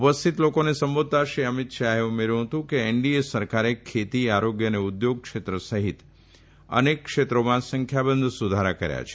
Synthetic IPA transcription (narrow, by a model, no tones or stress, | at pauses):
upəst̪ʰit̪lokonesəmbod̪̚t̪aʃɾiəmit̪ʃaɦeumeɾũɦət̪ũkeeɳɖiesəɾkaɾekʰːet̪iaɾoɡjəneud̪joɡ̚kʃet̪ɾəsəɦit̪ | ə̰nekːʃet̪ɾomãsə̃ŋkʰjabənd̪ʱsud̪ʱaɾakəɾja̰t͡ʃʰe̥